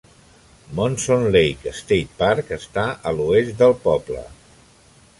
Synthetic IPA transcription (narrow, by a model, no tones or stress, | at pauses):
monsonlejkəst̪ejt̪̚paɾkəst̪aʔəluest̪d̪əlˠpɔblə̰